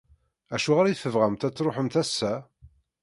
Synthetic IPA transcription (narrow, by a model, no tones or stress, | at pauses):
æʃuʁaɾæjθəvʁæmt̪æt͡sːɾoħəmt̪æsːæ